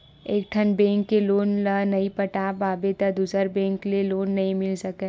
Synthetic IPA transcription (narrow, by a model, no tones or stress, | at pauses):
eːk̚ʈʰənbɛ̃ːŋkːeloːnlənɐipɐʈaːbaːbet̪əd̪uːsəɾbɛ̃ːŋkleloːnːɐɦĩmɪlsɐke